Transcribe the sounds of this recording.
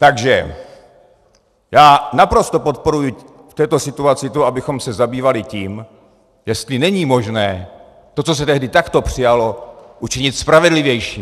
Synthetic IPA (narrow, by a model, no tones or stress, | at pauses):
t̪aɡʒɛ̰ | jaːnapɾo̞st̪opot̪̚po̞ɾuju | ft̪ɛːt̪o̞sɪt̪uat͡sɪt̪uʔabɪxo̞msɛzabiːvalɪciːm | jɛst̪lɪnɛɲiːmo̞ʒnɛː | t̪o̞t͡so̞s̬ɛt̪ɛɦdɪt̪akt̪o̞pr̝̥ɪjalo̞ʔut͡ʃɪɲɪt̪spɾavɛdlɪvjɛjʃiː